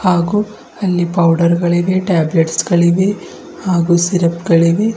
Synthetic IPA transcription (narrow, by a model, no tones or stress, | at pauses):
haːɡu | ɐlːipɐwɖɐɾɡɐɭiʋeʈaːbleʈsɡɐɭiʋe | haːɡusiɾɐpɡɐɭiʋe